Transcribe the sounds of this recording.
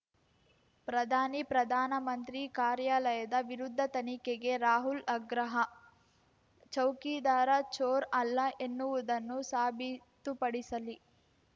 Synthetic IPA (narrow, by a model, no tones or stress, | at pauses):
pɾɐd̪ʱaːnipɾɐd̪ʱaːnɐmɐnt̪ɾikaːɾjalɐjɐd̪ɐʋiɾud̪ʱːɐt̪ɐnikeɡe̞ɾaːɦulɐɡɾɐɦɐ | t͡ʃɐwkiːd̪aːɾɐt͡ʃoːɾɐlːɐʔe̞nːuʋud̪ɐnːusaːbʱit̪upɐɽisɐli